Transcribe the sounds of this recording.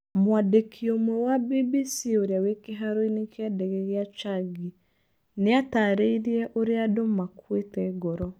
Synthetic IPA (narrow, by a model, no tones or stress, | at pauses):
mwadekʰiomwɛwabibisioɾeawekeɦaɾoinekʰeadɛɣeɣeat͡ʃaɡi | neataːɾeiɾiɛʔoɾeadomakwetɛɡɔɾɔ